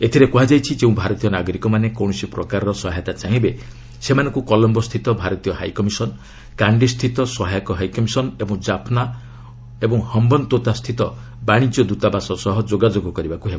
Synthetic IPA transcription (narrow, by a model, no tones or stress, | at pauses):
et̪ʰiɾekuɦad͡ʒajt͡ʃʰid͡ʒeũbʱaɾɔt̪ijɔnaɡɔɾikɔmanekɔw̃ɔsipɾɔkaɾɔɾɔsɔɦajt̪at͡ʃaɦĩbe | semanɔ̃ŋkukɔlɔmbɔst̪ʰit̪ɔbʱaɾɔt̪ijɔɦajkɔmisɔn | kaɳɖist̪ʰit̪ɔsɔɦajɔkɔɦajkɔmisɔnebɔŋd͡ʒapʰna | ebɔŋhɔmbɔnt̪ot̪ast̪ʰit̪ɔ | baɽ̃id͡ʒjɔd̪ut̪abasɔsɔɦɔd͡ʒoɡad͡ʒoɡɔkɔɾibakuɦeba